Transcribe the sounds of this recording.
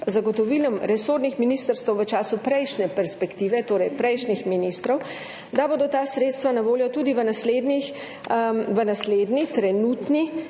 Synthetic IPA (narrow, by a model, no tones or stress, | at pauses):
zaɡɔt̪ɔʋilɔmɾɛsoɾd̪nixminist̪əɾst̪əwʋət͡ʃaːsupɾɛjʃnɛpɛɾspɛkt̪iːʋɛt̪oːɾɛjpɾɛjʃnixminist̪ɾɔw | d̪abod̪ɔt̪aːsɾeːt̪st̪ʋanaʋoːljɔt̪uːd̪iʋənasleːd̪nix | ʋənasled̪nit̪ɾɛnut̪ni